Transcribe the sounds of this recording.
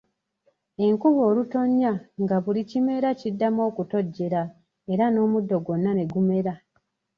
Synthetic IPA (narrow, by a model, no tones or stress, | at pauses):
e̞ŋkuβo̞ːluto̞ɲːaŋɡaβulicime̞ɾacidːamo̞ːkuto̞ɟːe̞ɾa | e̞ɾano̞ːmudːo̞ɡo̞nːane̞ɡume̞ɾa